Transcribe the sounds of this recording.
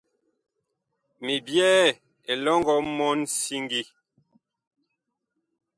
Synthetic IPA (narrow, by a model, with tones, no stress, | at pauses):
mi˨bjɛː˦ | e˨lɔ˦ŋɡɔ˨˦mɔ˦nsi˦ŋɡi˦